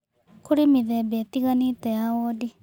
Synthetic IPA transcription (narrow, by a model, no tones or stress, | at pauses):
kuɾimiðebet̪iɣanitejaodi